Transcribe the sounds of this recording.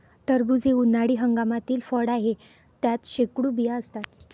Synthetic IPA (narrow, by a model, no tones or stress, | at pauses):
ʈ̪əɾbud͡zeunaɽiːɦəŋɡamat̪iːlfəɽaɦe | t̪jat̪ɕekɽuːbijaəst̪at̪̚